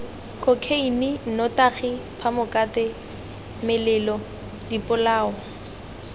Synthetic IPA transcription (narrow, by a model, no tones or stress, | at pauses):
kokʰeinɪn̩nɔtaχɪpʰamʊkʼatɪ | mɪlɪːlɔ | dipʼʊlaːɔ